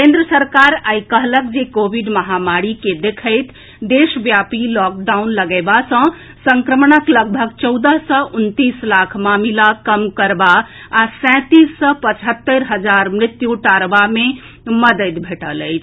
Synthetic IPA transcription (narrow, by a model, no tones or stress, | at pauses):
kẽnd̪ɾəsəɾkaɾajkəɦləkd͡ʒekobʱiɖməɦamaɽiked̪ekʰəjt̪ʰ | d̪esbjapilɔk̚ɖawnləɡəɪbasə̃ | səŋkɾəmnəkləɡ̚bʱəɡt͡ʃəwd̪əɦsə̃ʔunt̪islakʰmamilakəmkəɾba | asɛ̃t̪isːə̃pət͡ʃʰɦət̪ːəɾɦəd͡ʒaɾmɾɪt̪juʈaɾbame | məd̪ət̪bʱeʈələjt͡ʃʰ